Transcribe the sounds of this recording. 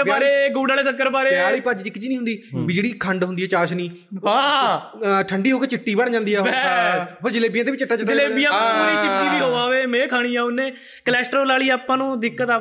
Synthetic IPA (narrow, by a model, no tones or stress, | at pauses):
əaːɾeːɡuːɽaːleːsəkːəɾbaːɾeːaːliːpəd͡ʒd͡ʒɪkːd͡ʒiːnĩːɦʊnd̪iːbɪd͡ʒɽiːkʰəɳɖɦʊnd̪iːɛːt͡ʃaːʃniː | ãː | ʈʰəɳɖiːɦoːkeːt͡ʃɪʈːiːbəɳd͡ʒãːnd̪iːɛːbɛspəɾd͡ʒɪleːbijãd̪eːʋɪt͡ʃɪʈːaːt͡ʃəd͡ʒɪleːbijãːniːt͡ʃɪːiːd̪iːɦoːaːʋeːmɛ̃ːkʰaːɽ̃ĩːãːʊnːẽː | kəlɛːsʈɾoːlaːɭiːaːpãːnũːd̪ɪkːət̪aː